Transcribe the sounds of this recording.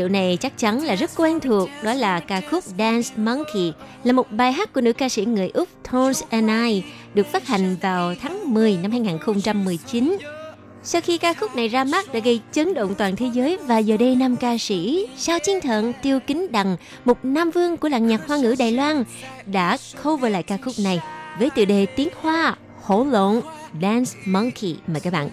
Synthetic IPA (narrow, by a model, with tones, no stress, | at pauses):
ɗḭ˧˨wna˨˩jt͡ɕa˦˥k̚t͡ɕa˨˦nlaː˨˩zə˦˥t̚kwɛ˧nt̪ʰu˨˩ək̚ɗɔ˨˦laː˨˩kaː˧xʊ˦˥k͡p̚ɗa˧nsma˧ŋkʰi˨˩laː˨˩mo˨˩t̚ɓaː˨˩jɦaː˦˥t̚kːu˧˩ənɨ̰˧˥kaː˧sḭ˧˥ŋɨ˨˩əjʔʊ˦˥k͡p̚t̪ʰɔ˧nsʔɛ˧naː˧j | ɗɨ˨˩ək̚faː˦˥t̚ha˨˩˨jŋ̟vaː˨˩wt̪ʰaː˨˦ŋmɨ˨˩əjna˧mhaː˧jŋaː˨˩nxə˧wŋ͡mt͡ɕa˧mːɨ˨˩əjt͡ɕi˨˦n | sa˧wxi˧kaː˧xʊ˦˥k͡p̚na˨˩jzaː˧ma˦˥t̚ɗa̰ː˧˥ɣə˧jt͡ɕə˨˦ŋɗo̰˧˨nt̪waː˨˩nt̪ʰe˨˦zəː˨˦jvaː˨˩zəː˨˩ɗə˧jna˧mkaː˧sḭ˧˥saː˧wt͡ɕi˨˦ənt̪ʰə̰˧˨nt̪i˧əwkï˨˦ŋ̟ɗa˨˩ŋ | mo˨˩k͡p̚naː˧mvɨ˧əŋku˧˩əla̰˧˨ŋɲaː˨˩t̚hwaː˧ŋɨ̰˧˥ɗa̰ː˨jlwaː˧nɗa̰ː˧˥xə˧wvəː˨˩la̰ː˧˨kaː˧xʊ˦˥k͡p̚na˨˩jvəː˨˦jt̪ɨ̰˧˨ɗe˨˩t̪i˨˦ənhwaː˧ | ho̰˧˥lo̰˧˨nɗa˧nsmɔ˧ŋkʰḭ˧˩maː˨˩kaː˦˥k̚ɓa̰ː˧˨